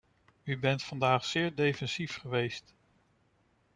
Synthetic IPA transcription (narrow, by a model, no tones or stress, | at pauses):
ybɛntfɑndaːχsɪːɹdejfɛnsifχəʋejst